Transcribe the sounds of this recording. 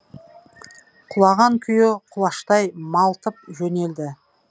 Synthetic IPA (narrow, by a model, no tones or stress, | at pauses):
qʰʊlˠɑʁɑŋkʲʰʏjɪqʰʊlˠɑʃt̪ɑjmɑlˠt̪əp̚ʒɵne̞ld̪ɪ